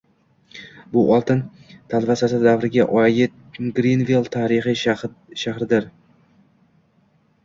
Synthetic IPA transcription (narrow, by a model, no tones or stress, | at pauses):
bʊʔɒlˠt̪ʰɪnt̪ʰalvasasɪd̪avɾɪɡʲaʔɒjɪt̪̚ | ɡɾinvilˠt̪ʰaɾɪχi | ʃahɾɪd̪ɪɾ